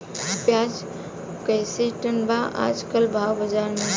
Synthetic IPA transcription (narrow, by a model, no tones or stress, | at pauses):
pjaːd͡ʒ | kəjseʈənbaːʔa̰ːd͡ʒkəlbʱaːwbəd͡ʒaːɾne